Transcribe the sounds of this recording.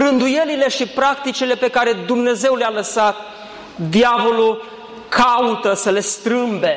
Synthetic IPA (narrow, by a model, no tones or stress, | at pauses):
rɨnd̪uje̞lile̞ʃipɾakt̪it͡ʃile̞pe̞kaɾe̞d̪umne̞ze̞wlealəsat̪̚ | d̪iavo̞lu | kʰaut̪əsəle̞st̪ɾɨmbe̞